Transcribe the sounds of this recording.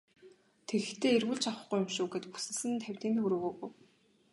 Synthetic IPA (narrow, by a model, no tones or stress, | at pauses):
t̪ʰeɣɘ̆xt̪eːerɣuːɮt͡ɕʰawə̥̆χɡujʊmʃʊːɡet̪pu̥sɘ̆ɮsɘ̆nt̪ʰæwʲt̪iːnt̪ʰɵɾʊːɣoːɣu